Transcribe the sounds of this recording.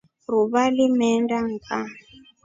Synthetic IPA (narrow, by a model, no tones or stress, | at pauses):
ɾuβalimɛndaŋ̩kʰa